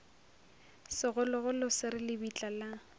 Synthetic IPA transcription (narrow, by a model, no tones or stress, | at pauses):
sɪɣʊlʊɣʊlʊsɪɾɪlɪbit͡ɬʼala